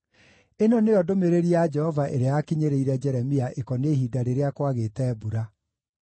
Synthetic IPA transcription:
enɔneɔdomeɾeɾiad͡ʒɛhɔvaʔeɾeaakiɲeɾeiɾɛd͡ʒɛɾɛmiaʔekɔneɦidaɾeɾeakwaɣeːtɛːbuɾa

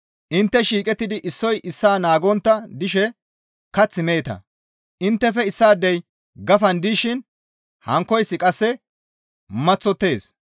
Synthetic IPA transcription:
ʔɪnt̪ːɛʃiːkʼɛt̪ːɪd̪ɪʔɪsːɔjʔɪsːaːnaːɡɔnt̪ːɐd̪ɪʃɛ | kɐt͡sːɪmeːt̪ɐ̰ | ʔɪnt̪ːɛfɛɪsːaːd̪ːɛj | ɡɐfɐnd̪iːʃɪn | hɐŋkːɔjsːɪkʼɐsːɛ | mɐt͡sːɔt̪ːe̞ːs

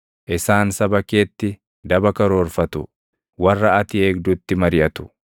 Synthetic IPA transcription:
ʔɪsaːnsɐbɐke̞ːt̪ːɪ | d̪ɐbɐkɐɾo̞ːɾfɐt̪ʊ | wɐrːɐɐt̪ɪe̞ːɡd̪ʊt̪ːɪmɐɾɪjɐt̪ʊ̥

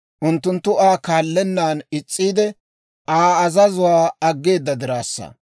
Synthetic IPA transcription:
ʔʊnt̪ːʊnt̪ːʊaːkaːlːɛnːaːnɪt͡sʼːiːd̪ɛ | ʔaːɐzɐzʊwaːɐɡːe̞ːd̪ːɐd̪ɪɾaːsːɐ̰

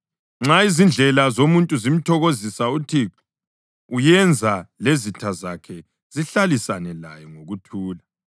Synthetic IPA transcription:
ŋ͡ǁaizind͡ɮʱɛlazomuntʼuzim̩tʰɔɣozisautʰi | ujɛnd͡zʱalezitʰazakʰɛ | ziɬalisanɛla̰jɔŋoɣutʰuːla

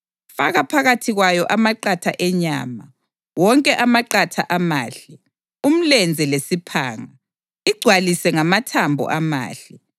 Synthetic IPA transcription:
faɣapʰaɣatʰiɣwajɔʔamaǃatʰaʔɛɲa̰ːma | wɔŋkʼɛʔamaǃatʰa̰ʔamaːɬɛ | um̩lɛnd͡zʱɛlesipʰa̰ːŋa | iɡ͡ǀʱwalisɛŋamatʰambʱɔ̰ʔama̰ːɬɛ

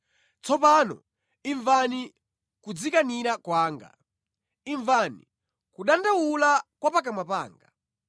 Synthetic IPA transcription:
t͡sɔpanɔ̰ | iɱvani | kud͡zikaniɾakwaːŋɡa̰ | iɱvanḭ | kuɗandawulakwapak̬amapa̰ːŋɡa

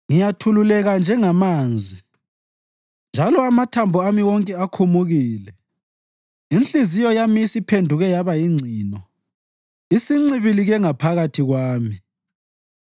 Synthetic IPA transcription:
ŋijatʰululɛɣand͡ʒʱɛŋamaːnd͡zʱi | nd͡ʒʱalɔamatʰambʱɔamiwɔŋkʼɛakʰumuɣiːlɛ | inɬizijɔjamisipʰendʱuɣɛjaβajiŋ͡ǀʱiːnɔ | isiŋ͡ǀiβiliɣɛŋapʰaɣatʰiɣwaːmi

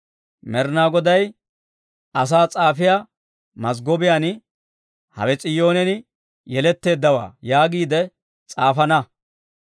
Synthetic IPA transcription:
mɛɾnaːɡɔd̪ɐj | ʔɐs̬aːt͡sʼaːfɪja | mɐsɡɔbɪjan | hɐ̰wɛt͡sʼɪjo̞ːnɛnɪ | jɛlɛt̪ːe̞ːd̪ːɐwa̰ːjaːɡiːd̪ɛ | t͡sʼaːfɐnɐ

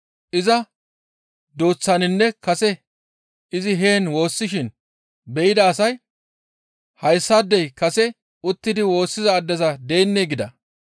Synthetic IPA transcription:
ʔɪzɐ | d̪oːt͡sːɐnɪnːɛkɐsɛ | ʔɪzɪɦeːnwo̞ːsːɪʃɪn | bɛʔɪd̪ɐːsɐj | hɐjsːɐd̪ːɛjkɐsɛ | ʊt̪ːɪd̪ɪwo̞ːsːɪzɐːd̪ːɛzɐd̪eːnːeːɡɪd̪ɐ̰

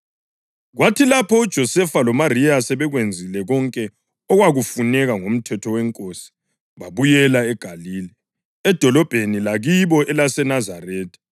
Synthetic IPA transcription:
ɣwatʰilapʰɔud̥ʒ̥ʱɔsɛfalɔmarijasɛβɛɣwend͡zʱilɛɣɔŋkʼɛ | ɔɣwaɣufunɛɣaŋom̩tʰɛtʰɔwɛŋkʼoːsi̥ | βaβujɛlaɛɡ̥ʱaliːli | ɛd̥ʱɔlɔb̥ʱenilaɣiβɔʔɛlasɛnazareːtʰʼi̥

